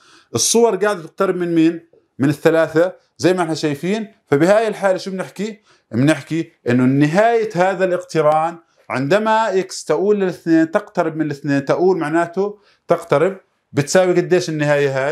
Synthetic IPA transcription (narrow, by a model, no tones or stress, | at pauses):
ʔɨsˤːʊwɑɾˤɡaːʕɪd̪̚t̪ɪq̚t̪ɑɾɪbmɪnmiːn | mɪnɪθːalaːθa | zajːmaʔɪħnaʃajfiːnfabɪhaːjɪlħaːlaʃubnɪħki | mnɪħkiʔɪnːʊnːɪɦaːjahaːðalʔɪqt̪ɪɾɑːn | ʕɪ̰nd̪amajɪkst̪aʔuːlːɪlɪθneːnt̪ɪqt̪aɾɪb̚mɪnɪlɪθneːnt̪aʔuːlmaʕnaːt̪ʊ | t̪ɪqt̪aɾɪb̚ | bɪt̪saːwiɡad̪ːeːʃɪnːɪhaːjaɦaː